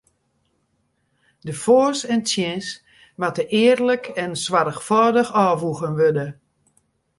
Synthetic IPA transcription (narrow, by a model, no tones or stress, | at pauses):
dəfoːsɛntjɛ̃s | matəʔɪərləkʰɛnswaɾəxfɔːdəxɔːvuɣənʋødə